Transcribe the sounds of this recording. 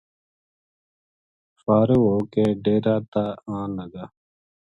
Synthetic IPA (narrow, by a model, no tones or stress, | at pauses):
faːɾeɦoːkeːɖeːɾaːt̪aːãːləɡaː